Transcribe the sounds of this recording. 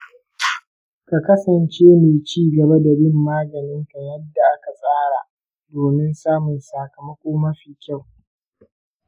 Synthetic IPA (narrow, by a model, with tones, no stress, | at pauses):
ka˨kɐ˦sɐ˨nt͡ʃeː˦meː˨t͡ʃiː˦ɡɐ˨ba˦da˨bɪ˦mːaː˦ɡɐ˨nɪ˦ŋkɐ˨jɐ˦dːa˨ʔa˦ka˨sʼaː˦ɽa˨ʔ | doː˨mɪ˦nsaː˦mʊ˨nsaː˨kɐ˨mɐ˦kʷʼoː˦mɐ˦ɸiː˨kʲa˦˨w